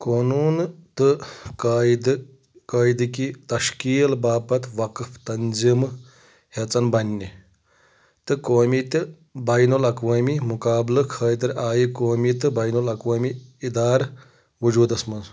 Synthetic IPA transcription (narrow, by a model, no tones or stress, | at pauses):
koːnuːnt̪ɨkaːjd̪ | kɐːjid̪ɨkit̪ɐʃkiːlbaːpɐt̪ʋɐkft̪ɐnzim | het͡sɐnbɐnʲːi | t̪ɨkoːmit̪ʲ | baːjnulɐkʋɐːmimukaːblɨkʰəːjt̪ɨɾʲʔaːjikoːmit̪ɨbaːjnulɐkʋɐːmiːd̪aːɾ | ʋud͡ʒuːd̪ɐsmɐnz